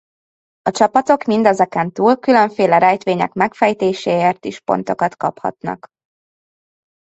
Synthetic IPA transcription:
ɒt͡ʃɒpɒt̪o̞kmind̪ɛzɛkɛnt̪uːlkylø̞ɱfeːlɛɾɛjt̪ʋeːɲɛ̰kmɛkfɛjt̪eːʃeːeːrt̪iʃpo̞̰n̪t̪o̞kɒt̪kɒ̰phɒ̰t̪nɒ̰k

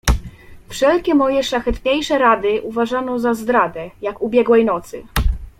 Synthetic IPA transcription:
fʂɛlkʲɛmɔjɛʂlaxɛt̪ɲejʂɛɾad̪ɘʔuvaʐanɔzazd̪ɾad̪ɛjakubʲjɛɡwɛjnɔt̪sɘ̰

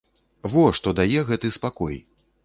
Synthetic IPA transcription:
vɔʂt̪ɔd̪ajɛɣɛt̪ɨspakɔj

